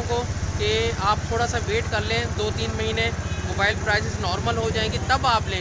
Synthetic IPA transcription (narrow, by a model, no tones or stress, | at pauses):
kokeaːp̚t̪ʰoːɽasaʋeːʈkɐɾlẽd̪oːt̪iːnmɐɦiːnẽmoːbaːɪlpɾaːɪsɪsnɔːɾməlɦod͡ʒaːẽɡit̪ɐbaːpleː